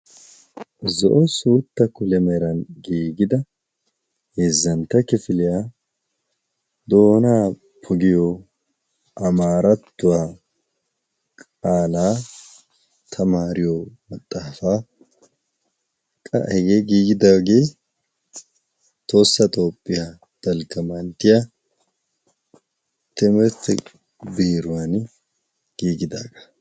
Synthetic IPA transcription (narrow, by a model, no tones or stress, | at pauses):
zɔʔɔsuːt̪ːɐkʊlɛmɛɾɐnɡiːɡɪd̪ɐ | heːzːɐnt̪ːɐkɪfɪlɪjaː | d̪o̞ːnaː | pʰɔɡɪjo | ʔɐmaːɾɐt̪ːʊwaː | kʼaːlaː | t̪ʰɐmaːɾɪjomɐt̪ʼːaːfaː | kʼɐ̰hɛɡeːɡiːɡɪd̪aːɡe̞ː | t̪o̞ːsːɐt̪ʼo̞ːpʼːɪja | d̪̥ɐlɡɐmɐnt̪ɪja | t̪ɛmɾt̪ː | biːɾʊwan | ɡ̥iːɡɪd̪aːɡɐ̥